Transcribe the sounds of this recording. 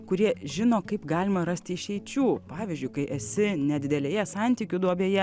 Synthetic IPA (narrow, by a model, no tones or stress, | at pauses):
kʊɾʲiɛʒʲɪnoːkɐɪpɡɑːlʲɪmɐɾɐsʲt̪ʲɪʃʲɛɪt͡ʃʲuːpɑːʋʲiːzʲd͡ʒʲʊɪkɐɪʔɛsʲɪnʲɛd̪ʲɪd̪ʲɛlʲeːjɛsɑˑnʲt̪ʲiːkʲʊd̪uɔbʲeːjɛ